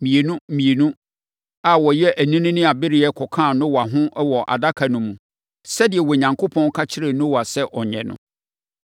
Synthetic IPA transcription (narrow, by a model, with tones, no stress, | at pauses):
mĩ˨e˨nũ˦˨mĩ˨e˨nũ˦ | a˨wɔ˨jɛ˦ʔæ˨nĩ˦nĩ˦nɪ̃˦a˨bɪ˦ɾɪ˦ɛ˦kʰɔ˨kʰãː˦˨nʊ̃˦wa˨ɦʊ̃˦ʔwɔ˨ʔa̰˨da˦kʰa˨nʊ̃˨mũ˨ | sɛ˦dɪ˨ɛ˨wɔ˨ɲã˨ŋkʰo˦pʰɔ̃˦n˦kʰa˦t͡ɕʰɪ˦ɾɪ˨nʊ̃˦wɔ˨a˨sɛ˦ʔɔ˨ɲɛ̰̃˨nʊ̰̃˦